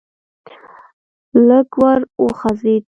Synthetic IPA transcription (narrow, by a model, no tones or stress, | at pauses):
ləɡwaɾoxazid̪